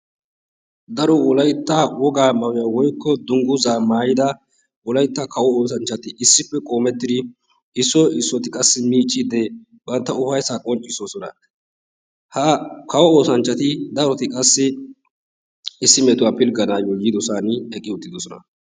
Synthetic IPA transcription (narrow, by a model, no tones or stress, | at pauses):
d̪ɐɾɔʊlɐjt̪ːawɔɡaːmɐwɪjawɔjkːɔd̪ʊŋɡʊzaːmaːjɪd̪ɐ | ʔʊlɐjt̪ːakʰɐwɔoːs̬ɐnt͡ʃːɐt̪ɪʔɪsːɪpːɛkʼo̞ːmɛt̪ːɪd̪ɪ | ɪsːɔɪsːɔt̪ɪkʼɐsːɪmiːt͡ʃʼːid̪ɛ | bɐnt̪ːɐʊfɐjsaːkʼɔnt͡ʃʼːɪsoːsɔnɐ̰ | hɐkɐwɔoːsɐnt͡ʃːɐt̪ɪd̪ɐɾɔt̪ɪkʼɐsːɪ | ɪsːɪmeːt̪ʊwaːpɪlɡɐnaːjɔjɪd̪ɔsaːnɛkʼːɪʊt̪ːɪd̪ɔsɔnɐ̰